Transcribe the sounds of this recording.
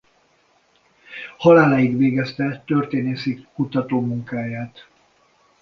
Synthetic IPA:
hɒlaːlajik̪ʋeːɡɛst̪ɛt̪ørt̪eːneːsikkut̪ɒt̪oːmuŋkaːjaːt̪

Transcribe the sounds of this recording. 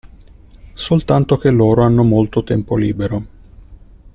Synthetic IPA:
solt̪ant̪ok̟elːoːɾoanːomolt̪ot̪ɛmpolḭːbeɾo

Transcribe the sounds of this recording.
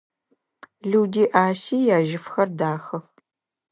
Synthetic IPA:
ɮuːdiːʔaːsiːjaːʒɪfxɐrdaːxɐx

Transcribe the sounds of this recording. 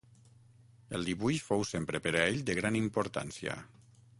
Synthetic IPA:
əlˠd̪iβujfowsempɾəpəɾaeʎd̪əɣɾanimpoɾt̪a̰nsiə̰

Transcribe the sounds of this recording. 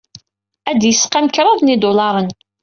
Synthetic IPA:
æd̪jəsqæmkɾˤɑðnid̪olɑɾˤən

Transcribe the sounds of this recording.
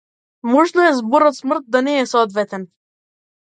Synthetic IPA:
mɔʒnɔɛzbɔɾɔt̪smr̩t̪̚d̪anɛːsɔd̪vɛt̪ɛn

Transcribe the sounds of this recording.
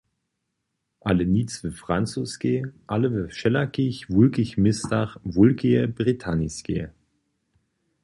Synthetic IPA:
ʔaləniːt͡svəfʁ̥ant͡suskeʔaləvəʃɛlakɪçvʊlɡɪçmɪstaχvʊlɡeəbʁitʰaniskḛ

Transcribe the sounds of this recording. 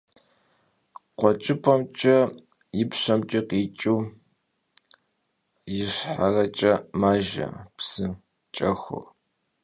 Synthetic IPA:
qʷɔt͡ʃʼɪpʰɐmt͡ʃʼɐ | jɪpɕɐmt͡ʃʼɪqit͡ʃʼuː | jɪɕħarɐt͡ʃʼɐmaːʒɐ̰psɨ | t͡ʃʼɐxʷo̰

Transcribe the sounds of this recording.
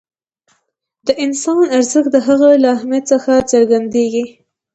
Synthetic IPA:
d̪əʔɪnsɑnaɾzəxd̪əɦaɣalaɦmjat̪st͡səxat͡səɾɡand̪eɡi

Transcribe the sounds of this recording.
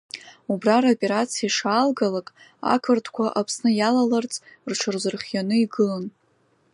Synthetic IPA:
ubraɾopʼe̞ɾat͡sʰiaʂalɡalakʼ | a̰kʰɨrtʰkʷʰaʔapʰsnɨjalalart͡sʼrʈ͡ʂʰɨrzɨrχʲjanɨiɡɨlan

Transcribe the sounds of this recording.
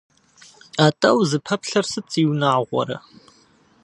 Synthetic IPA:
aːtʼɐwzɨpʰɐpɬɐrsɨt͡sʼiːwnaːʁʷɔ̰ɾɐ̰

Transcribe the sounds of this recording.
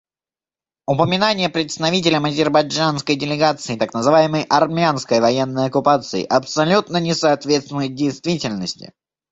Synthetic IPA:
ʊpəmʲɪnanʲɪjəpɾʲɪt̪st̪ɐvʲit̬ʲɪlʲəmɐzʲɪrbɐd͡ʐanskəjdʲɪlʲɪɡat̪sɨɪt̪aknəzɨvajɪməjʔɐrmʲɪanskəjvɐjenːəjɐkʊpat̪sɨɪ̰ʔɐpsɐlʲut̪nənʲɪsɐːt̪vʲet̪st̪vʲɪnəjʊt̪̚dʲejst̪vʲitʲɪlʲnəsʲtʲɪ̰

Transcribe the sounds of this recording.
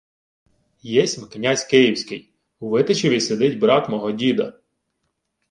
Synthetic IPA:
jɛsʲmknʲasʲkɪjiwsʲkɪj | uʋɪt̪ɪt͡ʃeʋʲised̪ɪtʲbɾɑt̪mɔɦɔdʲid̪ɐ̰

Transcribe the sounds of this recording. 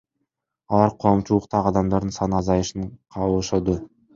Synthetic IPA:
ɑlˠɑɾqʰomʃuəqt̪ʰɑʁɑd̪ɑmd̪ɑɾd̪ənsɑnɑzɑjəʃənqʰɑwəʃod̪ə

